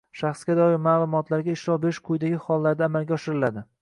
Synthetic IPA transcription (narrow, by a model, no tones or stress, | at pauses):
ʃaχsɡʲad̪ɒjɪɾmaːlˠʊmɒt̪ʰlaɾɡʲaɪʃɾɒwbeɪʃqʰʊjd̪aɡʲɪχɒlˠːaɾd̪aːmalɡʲaɒʃɪɾɪlad̪ɪ